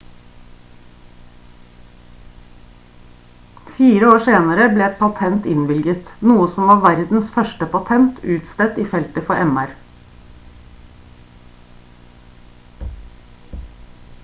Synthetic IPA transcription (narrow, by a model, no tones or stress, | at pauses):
fiːɾəoːseːnəɾəbleːɛt̪̚pʰɑt̪ʰɛnt̪ɪnʋɪlɡət̪nuːəsɔmʋɑːʋæɾd̪n̩sfœʃʈəpɑt̪ʰɛnt̪ʰʉːt̪st̪ɛt̪iːfɛlt̪əfɔʔɛmæɾ